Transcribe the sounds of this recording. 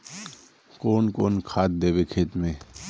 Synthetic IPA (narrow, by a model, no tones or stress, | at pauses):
koːnkoːnkʰaːt̪̚d̪eːbekʰeːt̪mẽː